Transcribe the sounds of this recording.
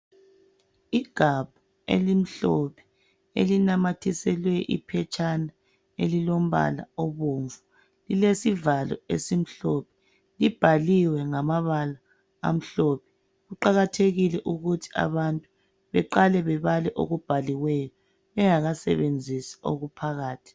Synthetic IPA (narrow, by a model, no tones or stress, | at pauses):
iɡ̥ʱab̥̚ʱu | ḛlim̩ɬɔpʰɛ̥ | ḛlinamatʰisɛlwɛʔḭpʰɛt͡ʃʰʼana | elilom̩βa̰la̰oβoɱvu | lilesivalɔ̰esim̩ɬɔpʰɛ̥ | lib̥ʱaliwɛŋamaβala | a̰m̩ɬɔpʰɛ̥ | ɣuǃaɣatʰeɣilɛʔuɣutʰi̥a̰βantʼu | βɛǃalɛβɛβalɛʔo̰ɣub̥ʱaliɣwɛjɔ | βɛŋaɣasɛ̰βend͡zʱisi̥o̰ɣupʰaɣaːtʰi̥